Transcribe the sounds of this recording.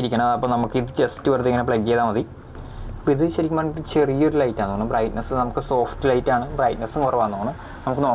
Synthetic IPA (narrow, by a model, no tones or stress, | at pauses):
iɾikʲːɐɳɐmɐðɐpːomnɐmukːɨiðɨt͡ɕestːɨʋɐrt̪ikːɐnɐpɭɐɡeðaːmɐði | ɐpːoːiðɨɕɐɾikʲːɐmaːɳt͡ɕe̞rijːoɾulɐjtːaːnuːɐɳɨbrɐjtnɐsɨnɐmukːɨso̞ːfʈɨlɐjtːaːɳɨbrɐjtnɐsɨnkɐrɐʋaːnːoːɐɳɨ | nɐmukːɨnoː